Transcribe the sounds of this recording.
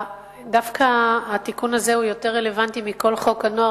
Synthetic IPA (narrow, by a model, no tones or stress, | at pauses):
dafkʰaːt̪ikunazeujo̞te̞ʁe̞le̞vantimiko̞lχo̞kano̞a